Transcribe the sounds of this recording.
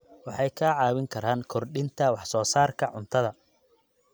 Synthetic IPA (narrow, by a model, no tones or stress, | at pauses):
wɑħɑjkʰɐʕɑːwɪŋkʰɐɾaːŋkʰɔrɖɪnt̪ʰɐwɑħsɔːsaːrkʰɐʕʊnt̪ʰɐðɐ